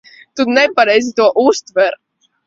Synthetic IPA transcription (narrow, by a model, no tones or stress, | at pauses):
t̪unɛpaɾɛjzit̪uɔʔust̪vɛɾ